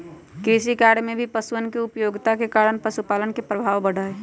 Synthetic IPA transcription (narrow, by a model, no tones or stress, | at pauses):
keːsikaɽmẽbʱipəswənkeʊpjoːɡt̪akekaːɾənpəsupaːlənkepɾəbʱaːʋbəɽaːe